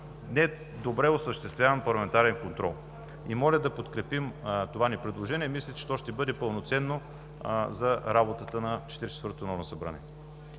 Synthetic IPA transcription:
nɛ | d̪obɾɛosəʃt̪ɛst̪vʲjavənpɐɾlˠɐmɛnt̪aɾɛnkont̪ɾɔlˠ | imɔlʲəd̪ɐpot̪kɾɛpimt̪ovanipɾɛd̪lˠoʒɛnʲiɛmislʲɛt͡ʃɛ̥t̪ɔʃt̪ɛbɤd̪ɛpəlˠnot̪sɛnːo | zɐɾabot̪ət̪ənɐt͡ʃɛ̥t̪iɾit͡ʃɛ̥t̪vɤɾt̪onɔɾnosɐbɾa̰nɛ̰

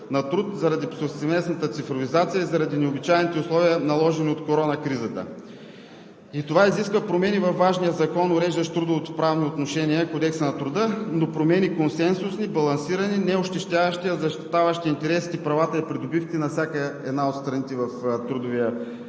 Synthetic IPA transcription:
nɐt̪ɾut̪zɐɾɐd̪ipsosɛmɛsnɐt̪ət̪sifɾovizat̪sijəizɐɾɐd̪inɛobit͡ʃajnit̪ɛʊslˠɔviənɐlˠɔʒɛniot̪koɾɔnɐkɾizət̪ə̰ | it̪ovaiziskvɐpɾomɛnivɐfvaʒnijəzɐkɔnoɾɛʒd̪əʃt̪ɾud̪ovot̪ʊ̥pɾavniot̪noʃɛniəkod̪ɛksənɐt̪ɾʊd̪ənopɾomɛnikonsɛnsʊsnibɐlˠɐnsiɾɐninɛoʃt̪ɛʃt̪ʲavɐʃt̪iɐzɐʃt̪i̥t̪avəʃt̪iːnt̪ɛɾɛsi̥t̪ipɾɐvat̪əipɾid̪ʊbifk̪ʲinɐfsʲakəɛ̰d̪naot̪st̪ɾɐnit̪ɛvɐft̪ɾud̪ʊviə

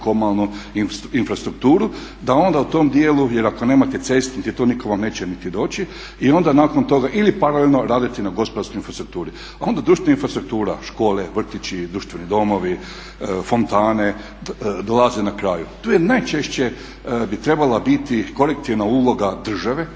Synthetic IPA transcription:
komalˠnuiinfɾast̪ɾukt̪uːɾu | d̪ao̞nd̪aut̪o̞md̪jeːlujeɾako̞ne̞ːmat̪et̪sest̪nit̪it̪oːnikoʋamne̞ːt͡ɕenit̪id̪o̞ːt͡ɕi | io̞nd̪anaːko̞nt̪o̞ɡaʔilipaɾalelʲno̞ɾaːd̪it̪inaɡo̞spod̪aɾskoinfɾast̪ɾuk̚t̪uːɾi | ao̞nd̪ad̪ɾuːʃt̪ʋenainfɾast̪ɾuk̚t̪uːɾa̰ʃko̞ːleʋr̩t̪it͡ɕid̪ɾuʃt̪ʋenid̪o̞mo̞ʋi | fo̞nt̪aːne | d̪olˠazenakɾaːjut̪uːjenajt͡ʃeʃt͡ɕe | bit̪ɾe̞balabit̪iko̞ɾek̚t̪iʋnauːlˠo̞ɡad̪r̩ʒaʋe̞

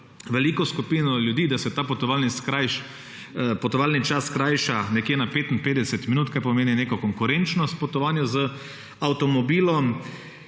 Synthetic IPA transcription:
ʋɛliːkɔskupiːnɔljud̪iːd̪asɛt̪aːpɔt̪ɔʋaːlniskajʃ | pɔt̪ɔʋaːlnit͡ʃasːkɾajʃanɛkjeːnapeːt̪in̩peːd̪ɛsɛt̪minuːt̪kaɾpɔmeːnineːkɔkɔŋkʊɾent͡ʃnɔst̪pɔt̪ɔʋaːnjʊzə | awt̪ɔmɔbiːlɔm

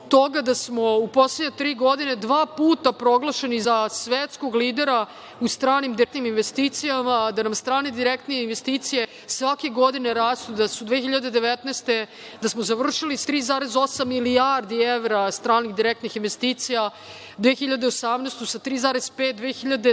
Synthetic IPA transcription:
t̪o̞ɡad̪asmo̞upo̞sleɲet̪ɾiːɡo̞d̪ine̞d̪ʋaːpuːt̪apɾo̞ɡlˠaʃenizasʋet̪sko̞ɡliːd̪eɾa | ust̪ɾaːnimd̪iɾekt̪niminʋest̪iːt̪sijamad̪anamst̪ɾaːned̪iɾekt̪neinʋe̞st̪iːt̪sije̞ | sʋake̞ɡo̞d̪ineɾaːslˠod̪asud̪ʋeːxiʎad̪e̞d̪e̞ʋet̪nɛst̪e | d̪asmozaʋr̩ʃilist̪ɾiːzaːɾezo̞samːiliaɾd̪ieʋɾast̪ɾaːnixd̪iɾek̚t̪nixinʋe̞st̪iːt̪sija | d̪ʋeːxiʎad̪eosamnest̪usat̪ɾiːzaːɾez̥pet̪̚d̪ʋeːxiʎad̪e

